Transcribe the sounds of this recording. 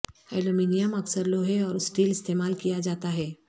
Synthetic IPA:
ɛːlomiːnijəmɐksəɾloːɦeɔːɾɪsʈiːlɪst̪eːmaːlkijad͡ʒaːt̪aɦɛː

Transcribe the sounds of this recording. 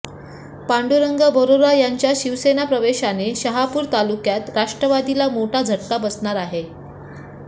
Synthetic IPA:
paɳɖuɾəŋɡəbʱəɾoɾajaɲt͡ɕjaɕiʋsenapɾəʋeɕaneɕəɦapuːɾt̪alukjat̪ɾaʂʈɾəʋad̪ilamoʈʰad͡zʱəʈːabəsɳaɾaɦe

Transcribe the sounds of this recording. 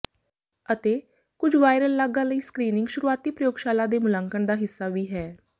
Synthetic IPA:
ət̪eː | kʊd͡ʒʋaːɪɾəlːaːɡãːləiːskɾiːnɪŋɡʃʊɾuːaːt̪iːpɾəjoːɡʃaːlãːd̪eːmʊlãŋkəɳd̪aːɦɪsːaːʋiːɦɛː

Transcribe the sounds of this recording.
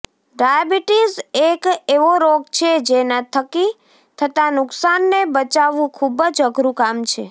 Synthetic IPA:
ɖajəbiʈizekeʋoɾoɡ̚t͡ʃʰed͡ʒenat̪ʰəki | t̪ʰət̪anʊksanːebət͡ʃaʋũkʰubəd͡ʒəɡɾũkamt͡ʃʰe

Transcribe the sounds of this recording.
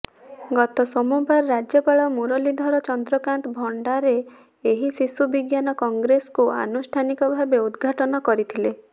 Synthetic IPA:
ɡɔt̪ɔsɔmubaɾɾad͡ʒjɔpaɭɔmuɾɔlid̪ʱɔɾɔt͡ʃɔnd̪ɾɔkant̪bʱɔɳɖaɾeː | ɦisisubiɡjanɔkɔŋɡɾesɔ̥kua̰nusʈʰanikɔbʱabeud̪ɡʱaʈɔnɔkɔɾit̪ʰile

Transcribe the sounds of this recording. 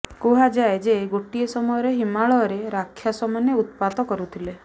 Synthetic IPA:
koɦad͡ʒaed͡ʒeɡoʈiesɔmɔjɔɾeɦimaɭɔːɾeɾakʰːjasɔmaneut̪̚pat̪ɔkɔɾut̪ʰile

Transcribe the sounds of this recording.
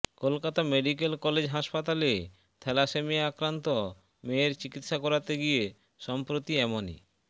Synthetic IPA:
kolkat̪ameɖik̬elkɔled͡ʑɦaʃpat̪ale | t̪ʰɛlaʃemiakɾant̪o | meːɾt͡ɕikit̪ːʃakɔɾat̪eɡije | ʃɔmpɾot̪iɛmonḭ

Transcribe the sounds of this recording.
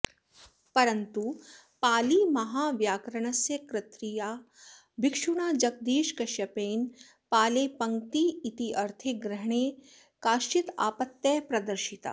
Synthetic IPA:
pɐɾɐnt̪u | paːlimɐɦaːʋjaːkɾɐɳ̃ɐsjɐkɾɪt̪ɾijaː | bikʂuɽ̃aːd͡ʒɐɡ̚d̪iːʃkɐʃjɐpeːn | paːleːpɐŋkt̪iit̪iɐɾt̪ʰeɡɾɐɦɳ̃eː | kaːʃt͡ʃit̪a̰ːpɐt̪ːjɐpɾɐd̪ɐɾʃit̪a̰ː

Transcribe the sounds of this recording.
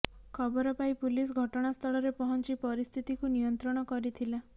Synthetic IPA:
kʰɔbɔɾɔpaipulis̬ɡʱɔʈɔɽ̃ast̪ʰɔɭɔɾepɔɦɔnt͡ʃipɔɾist̪ʰit̪ikunijɔnt̪ɾɔɽ̃ɔkɔɾit̪ʰila

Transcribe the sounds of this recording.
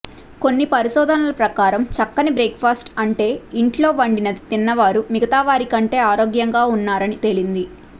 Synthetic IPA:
ko̞nːipɐɾiʃɔːd̪ʱɐnɐlɐpɾɐkaːɾɐmt͡ʃɐkːɐnibɾeːkpʰaːsʈɐɳʈe̞ːiɳʈlo̞ːʋɐɳɖinɐd̪it̪inːɐʋaːɾumiɡɐt̪aːʋaːɾikɐɳʈe̞ːaːɾo̞ːɡjɐŋɡaːunːaːɾɐnit̪e̞lind̪i

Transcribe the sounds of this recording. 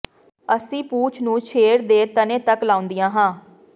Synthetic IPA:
əsĩːpuːt͡ʃʰnũːt͡ʃʰeːɾd̪eːt̪ənẽːt̪əklaːʊ̃nd̪ijãːɦãː

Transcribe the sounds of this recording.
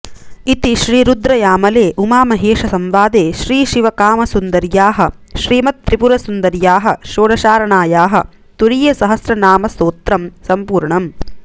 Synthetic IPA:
it̪iʃɾiːɾud̪ɾɐjaːmɐleːʔumaːmɐɦeːʃɐsɐmʋaːd̪eːʃɾiːʃiʋɐkaːmɐsund̪ɐɾjaːɦɐʃɾiːmɐt̪ːɾipuɾɐsund̪ɐɾjaːɦɐʃoːɽɐʃaːɾɐɳaːjaːɦɐ | t̪uɾijɐsɐɦɐsɾɐnaːmɐst̪oːt̪ɾɐmsɐmpuːɾɳɐm

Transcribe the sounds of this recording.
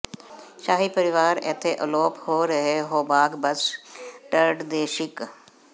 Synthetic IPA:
ʃaːɦipəɾɪʋaːɾɛːt̪ʰːeʔəloːphoːɾəɦeːɦoːbaːɡbəsɖəɾɖd̪eːʃɪk

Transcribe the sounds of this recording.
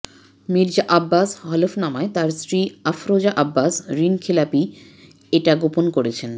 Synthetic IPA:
miɾd͡ʑaʔabːasɦɔlefnamaet̪aɾsɾiafɾod͡ʑaʔabːasɾinkʰilapi | eʈaɡoponkoɾet͡ɕʰen

